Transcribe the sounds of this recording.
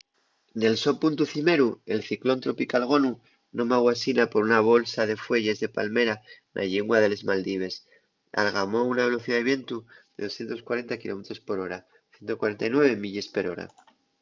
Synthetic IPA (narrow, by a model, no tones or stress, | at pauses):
ne̞lso̞punt̪uθime̞ɾue̞lθiklo̞nt̪ɾo̞pikalɣ̞o̞nu | nõ̞maɣwasinapo̞ɾunaβ̞o̞lsað̞e̞fwe̞ʝe̞zðe̞palme̞ɾa | nʔa̰ʎeŋɡwaðe̞le̞zmald̪iβ̞e̞s | a̰lɣamo̞unaβe̞lo̞θiðaðeβje̞nt̪uðe̞ðo̞sθjent̪o̞skwaɾe̞nt̪akilo̞me̞t̪ɾo̞spo̞ɾo̞ɾa | θje̞nt̪o̞kwaɾe̞nt̪ajnwe̞βe̞miʎe̞spe̞ɾo̞ɾa̰